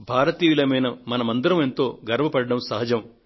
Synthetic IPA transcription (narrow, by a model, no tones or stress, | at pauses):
bʱaːɾɐt̪iːʋilɐmɐjnɐmɐnɐmɐnd̪uɾɐment̪o̞ːɡɐɾɐʋɐpɐɽɐɽɐmsɐɦɐd͡ʒɐm